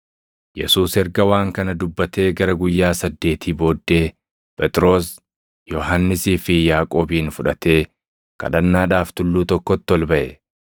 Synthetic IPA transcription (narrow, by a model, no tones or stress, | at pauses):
jɛ̰suːsɛɾɡɐwaːŋkɐnɐd̪ʊbːɐt̪ʰe̞ːɡɐɾɐɡʊjːaːsɐd̪ːe̞ːt̪ʰiːbo̞ːd̪ːe̞ː | pʼɛt̪ʼɾo̞ːs | jɔɦɐnːɪsiːfɪjaːkʼo̞ːbiːnfʊᶑɐt̪e̞ː | kɐ̰ᶑɐnːaːᶑaːft̪ʊlːuːt̪ɔkːɔt̪ːɪɔlbɐʔɛ